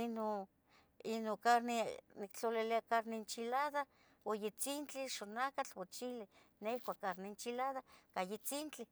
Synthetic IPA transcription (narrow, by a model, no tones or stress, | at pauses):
ino | inokaɾnenikt͡ɬoliliakaɾnent͡ʃilaða | wojet͡sint͡ɬiʃonakat͡ɬwot͡ʃili | nehkʷakːaɾnent͡ʃilaðakajet͡sint͡ɬi